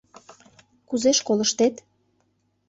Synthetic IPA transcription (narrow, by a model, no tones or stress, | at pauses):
kuzeʃkoləʃt̪et̪